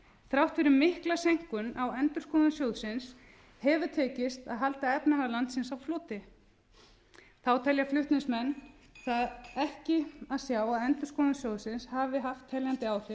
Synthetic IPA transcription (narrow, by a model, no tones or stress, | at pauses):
θɾawht̪fɪɾɪɾmɪhklasejŋ̥kʏnawɛnt̪ʏɾ̥skɔːðasjowðsɪns | hɛvʏt̪ʰɛːcɪst̪a̰ðɦalt̪aɛpnaɦaɾlant̪sɪnsawfloːt̪ɪ | θawt̪ʰɛljaflʏht̪nɪsmɛnː | θaðɛhcɪaðsjaːwaðɛnt̪ʏɾ̥skɔːnasjowðsɪnshaːvɪɦaft̪hɛljant̪ɪaːwθɪ